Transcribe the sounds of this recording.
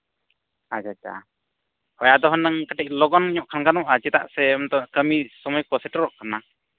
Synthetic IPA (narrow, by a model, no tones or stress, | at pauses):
ad͡ʒat͡ʃa̰ | hɔjaʔd̪ɔɦɔnːəŋkaʈɛc̚lɔɡɔniɲɔʔkʰankanɔʔad͡ʒɛt̪a̰ʔsɛɔnt̪ɔkəmisɔmɔjkɔsɛʈɔɾɔʔkana